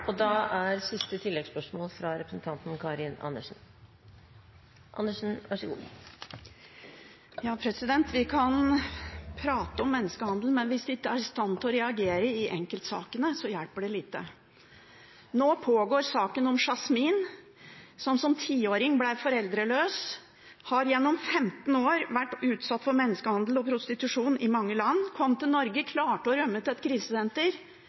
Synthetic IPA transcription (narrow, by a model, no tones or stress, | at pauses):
ɔd̪ɑæɾsɪst̪ət̪ʰɪlːɛɡspœʂmoːlfɾɑɾɛpɾsn̩t̪ʰɑnt̪n̩kʰɑɾɪnɑ̰nːəʂn̩ | ʔɑ̰nːəʂn̩ʋæʂəɡṵː | jɑːpʰɾɛsɪd̪ɛnt̪ʋɪkʰɑn | pʰɾɑːt̪əɔmːɛnːəskəhɑnd̪l̩mɛnʋɪsd̪ɛɪkːəæɾst̪ɑnt̪ɔɾɛɑɡeːɾəɪʔɛŋkəlt̪sɑ̰ːkənəsɔjælpəɖɛliːt̪ə̰ | noːpʰoːɡoːɾsɑːkənɔmʂɑsmiːn | sɔmsɔmt̪ʰiːoːɾɪŋblæɪʋfɔɾɛld̪ɾəløːs | hɑɾjɛnːɔmfɛmt̪noːɾʋæʈːʉːt̪sɑt̪ːfɔɾmɛnːəskəhɑnd̪l̩ɔpʰɾʊst̪ɪt̪ʉʂuːnɪmɑŋːəlɑnːkʰɔmːt̪ɪlnɔɾɡəkʰlɑːʈəɔɾœmːət̪ɛt̪kʰɾiːsəsɛnt̪əɾ